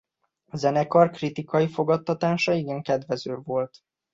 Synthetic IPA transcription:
ɒzɛnɛkɒrkrit̪ikɒjifo̞ɡɒt̪ːɒt̪aːʃɒiɡɛŋkɛd̪vɛzøːvo̞lt̪

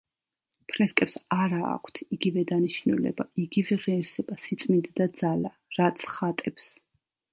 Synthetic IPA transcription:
pʰɾɛskʼɛpsaɾa̰ːkʷʰt̪ʰiɡivɛd̪aniʃnulɛ̰baiɡivɛʁɛːɾsɛbasit̪sʼmind̪d̪ad̪zala | ɾat̪sʰχat̪ʼɛps

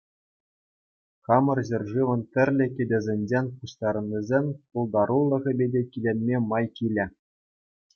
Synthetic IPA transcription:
χɑmɤ̆rʑɘ̆rʲʐɯʋɤ̆ntʲɘ̆rʲlʲɘ̆kʲĕdʲɘ̆zʲenʲd͡ʑenʲpuɕt̪ɑɾɤ̆nʲːizʲenʲpulˠd̪ɑɾulˠːɤ̆ʁʲɤ̆bʲedʲekʲilʲenʲmʲemɑjkʲilʲɘ̆

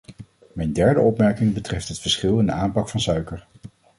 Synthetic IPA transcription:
mɛjndɛɹdə̰ʔɔpmɛɹkɪŋbətrɛftɦətfəɹsχɪlˠɪndəaːmpɑkfɑnsœɥkəɹ

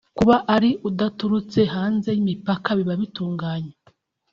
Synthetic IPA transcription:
kuβaʔaɾiudatuɾut͡se̞ɦaːnze̞jimipakaβiβaβituːŋɡaːɲe

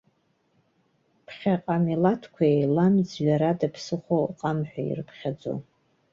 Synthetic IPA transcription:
pʰχʲaqʼamilatʰkʷʰaejlamd͡zɥaɾadapʰsɨχʷoqʼamħʷᶣa̰ḭrɨpʰχʲad͡zo̰

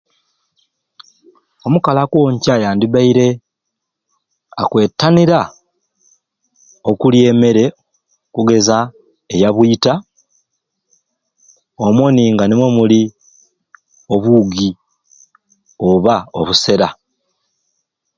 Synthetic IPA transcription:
o̞mukalakwoɲcajaːndiβaiɾe̞ | a̰kwe̞ːtːaniɾa | o̞kulje̞me̞ɾe̞ | kuɡe̞za | ejaβwuita | omwoniːŋɡanemwomuli | o̞βuːɡi | oβao̞̰βuse̞ɾa

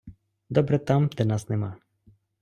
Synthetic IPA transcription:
d̪ɔbɾɛt̪amd̪ɛnasnɛma

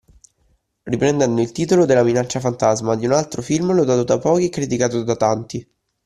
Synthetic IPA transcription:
ripɾend̪ɛnd̪oilt̪iːt̪olod̪elːaminat͡ʃːafant̪azmad̪iunalt̪ɾofilmlod̪aːt̪od̪apɔːk̟ikɾit̪ikaːt̪od̪at̪ant̪i

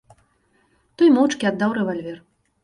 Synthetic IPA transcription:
t̪ɔjmɔwt͡ʂkʲiad̪ːawɾɛvalʲvʲɛr

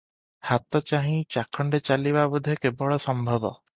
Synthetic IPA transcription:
hat̪ɔt͡ʃaɦĩt͡ʃakʰːɔɳɖet͡ʃalibabud̪ʱːekebɔɭɔsɔmbʱɔbɔ

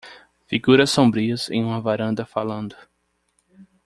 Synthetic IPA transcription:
fiɡuɾɐsːõbɾiɐzḛ̃j̃ũmɐvaɾɐ̃nd̪ɐfalɐ̃nd̪ʊ

